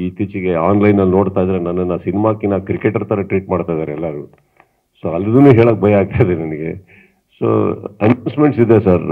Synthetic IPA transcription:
iːt̪it͡ʃiɡe̞aːnlɐjnːɐlnoːɽt̪aːjd̪ɐɾenɐnːɐnːɐsinimaːkːinakɾikeʈɐɾt̪ɐɾɐʈɾiːʈ̚maːɽt̪ajd̪aːɾɛlːɐɾu | soːɐlːid̪unuːɦeːɭoːk̚bʱɐjɐaːɡ̚t̪ajid̪enɐnɐɡe̞ | so̰ːɐnɐwnsmeɳʈsid̪esaɾ

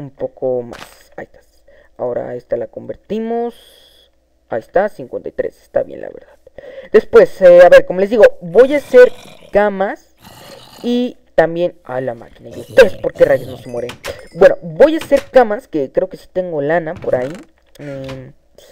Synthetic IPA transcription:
umpokʰoma̰sajst̪ḁs | aoɾa̰est̪alakombeɾt̪imos | a̰ist̪asiŋkwent̪ajt̪ɾḛse̥st̪a̰βjḛnla̰βḛɾðaðd̪̥e̞spwe̞seaβe̞ɾkomole̞zd̪iɣobo̞jaseɾ | kamas | i | t̪ambje̞na̰jlama̰kinaiust̪eðespoɾkerajesnosemweɾenbwe̞no̰bojase̞ɾkamaskekɾeokesi̥t̪eŋɡolanapoɾai | e

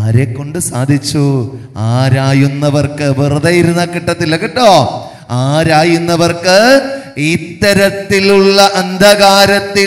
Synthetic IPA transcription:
aːɾekːo̞ɳɖɨsaːd̪ʱit͡ɕːu | aːɾaːjunːɐʋɐrkɨʋirðɐjiɾunːɐkiʈːɐt̪ːilekːiʈːoː | aːɾaːjunːɐʋɐrkɨit̪ːɐɾɐt̪ːiluɭːɐʔɐnd̪ʱɐɣaːɾɐt̪ːi

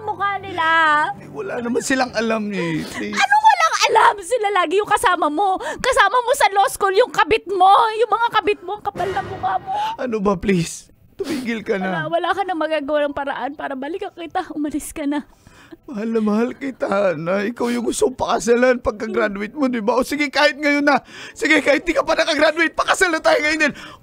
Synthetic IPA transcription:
mʊkanɪla | wɐlanɐmansɪlaŋʔɐlamɛpliɐnowɐlaŋʔɐlamsɪlalaːɡɪjʊŋkɐsaːmɐmo̞kɐsaːmɐmo̞sɐloskoljʊŋkɐbɪt̪̚mo̞jʊŋmɐŋakɐbɪt̪̚moɐŋkɐpalnɐŋbʊhaːmoʔɐnobɐplis | t̪ʊmiːɡɪlkɐnɐwɐlakɐnɐŋmɐɡaːɡɐwanɐŋpɐɾɐʔanpaːɾɐbɐlɪkɐkɪt̪aʔʊmɐlɪskɐnɐ | mɐhalnɐmɐhalkɪt̪anɐʔɪkawjʊŋɡʊst̪oŋpɐkɐsalanpɐɡ̚kɐɡɾad̪wɪt̪̚mod̪ɪbaʔosɪɡɪkaːhɪt̪̚ŋɐjonːɐsɪɡɛkaːhɪn̚d̪ikɐpanɐkɐɡɾad̪wɪt̪̚pɐkɐsalɐnt̪aːhɪŋɐjond̪ɪn

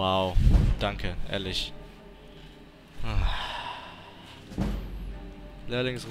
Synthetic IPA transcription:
aʊd̥aŋkʰəʔḛɛ̰ɐlɪç | lɛɐlɪŋsʁ

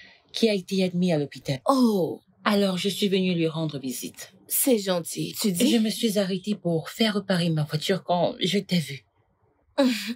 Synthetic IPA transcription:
kʲʰiaet̪ead̪mialɔpit̪alo | alɔʁʒəsɥivənylɥiʁɑ̃d̪ʁəvizḭt̪ | sɛʒɑ̃t̪ʰit̪yd̪iʒəməsɥizaʁet̪epuʁfɛʁːəpaʁemavwat̪yʁkɑ̃ʒət̪ɛvy

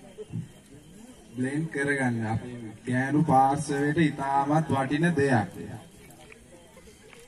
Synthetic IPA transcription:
blenkəɾəɡanːəpeməkæːnupaːɾsəʋeʈəit̪aːmat̪ʋaʈinəd̪ejak̚ʋḛja̰

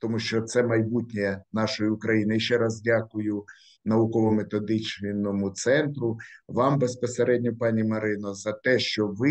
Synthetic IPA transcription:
t̪ɔmuʃt͡ʃɔt̪sɛmɐjbutʲnʲejɛnɑʃɔjiʊkɾɐjinɪiʃt͡ʃɛɾɑzdʲakʊjʊ | nɐʊkɔʋɔmet̪ɔd̪ɪt͡ʃʲnɔmʊt̪sɛnt̪ɾʊʋɑmbespɔseɾɛdʲnʲɔpɑnʲimɐɾɪnɔzɐt̪ɛʃt͡ʃɔʋɪ

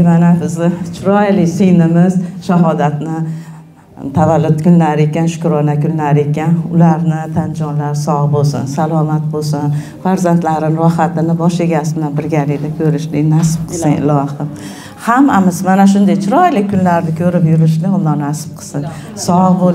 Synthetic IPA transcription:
manabɪzɪt͡ʃʰʊɾɒjlɪsɪjnɪmɪzʃaɦɒd̪at̪nɪ | t̪ʰavalːʊt̪kʰʲʊnlaɾɪe̞kʲanʃʊ̥kɾɒnakʲʰʊnlaɾɪekʲanʊ̰laɾnɪt̪ʰand͡ʒɒnlaɾsɒʁbosɪ̰nsalˠɒmat̪̚bosʊn | faɾzant̪laɾɪnɾɒɦat̪ɪnɪbɒʃeɡʲasɪbɪlanbɪɾɡʲalɪd̪akʲʰɵɾɪʃlɪnasɪ̥p̚qʰɨsɪŋɪ̰lɒhɪm | hamːamɪzmanaʃ̬ʊnd̪ajt͡ʃʰʊɾɒjlɪkʲʰʊnlaɾnɪkʲʰɵɾɪpjʊɾɪʃlɪʊnd̪ɒɾnasɪ̥b̚qʰɨ̥sɪn | sɒbo

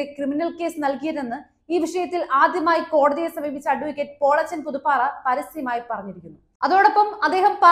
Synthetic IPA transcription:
ekriminɐlke̞ːsɨnɐlkijɐðenːɨ | iːʋiʂɐjɐt̪ːilaːd̪jɐmaːjiko̞ːɽɐðijesɐmiːbʱit͡ɕːɐɐɖuʋikʲːet̚po̞ːɭɐt͡ɕːɐnpuðupːaːrɐpɐɾisɐjɐmaːjipɐrɐɲːiɾikʲːunːu | ɐðo̞ːɽɐpːɐmɐd̪ːe̞ːɦɐmpa

